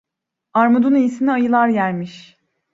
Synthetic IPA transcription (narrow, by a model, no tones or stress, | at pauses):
aɾmod̪unijisiniajɯlˠaɾjæɾmiʃ